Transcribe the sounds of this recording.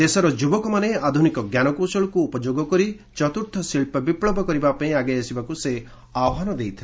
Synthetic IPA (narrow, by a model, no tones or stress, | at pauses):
d̪esɔɾɔd͡ʒubɔkɔmanead̪ʱunikɔɡjanɔkosɔɭɔkuːpɔd͡ʒoɡɔkɔɾi | t͡ʃɔt̪uɾʈ̪ʰːɔsilpɔbipɭɔbʱɔkɔɾibapaĩaɡajasibakuse | awɔɦanɔd̪ejt̪ʰi